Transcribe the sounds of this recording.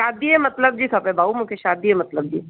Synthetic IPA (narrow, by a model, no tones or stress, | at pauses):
ʃaːd̪iemɐt̪ləb̚d͡ʒiːkʰɐpebʱaːumũkʰeʃaːd̪iemɐt̪ləb̚d͡ʒḭː